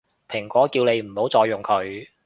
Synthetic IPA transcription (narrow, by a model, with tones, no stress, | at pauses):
pʰɪ˨˩ŋkʷɔː˨˥kiː˧wne˨˧jm̩˨˩ho˨˥wt͡sɔː˧jːʊ˨˩ŋkʰɵ˨˧ɥ